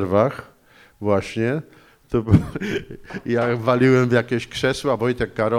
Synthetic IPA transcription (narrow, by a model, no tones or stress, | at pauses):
ɾvax | vwaɕɲɛ | t̪ɔb | javalʲiwɛmvʲjakʲeɕkʂɛswabɔjt̪ɛkːaɾɔ